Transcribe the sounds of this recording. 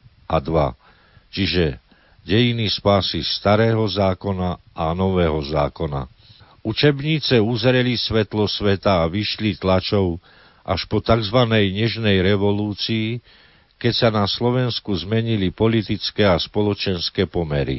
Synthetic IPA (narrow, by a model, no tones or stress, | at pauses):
ʔad̪ʋa̰ | t͡ʃiʒɛ | ɟɛjinispaːsist̪aɾɛːɦɔzaːkɔna | ʔanɔʋɛːɦɔzaːkɔna̰ | ut͡ʃɛbɲiːt͡sɛuzɾɛlisʋɛt̪lɔsʋɛt̪aːʋiʃlit̪lat͡ʃɔʊ | ʔa̰ʃpɔt̪aɡzʋanɛjɲɛʒnɛjɾɛʋɔluːt͡siː | kɛcsanaslɔʋɛnskuzmɛɲilipɔlit̪it͡skɛːaspɔlɔt͡ʃɛnskɛːpɔmɛɾḭ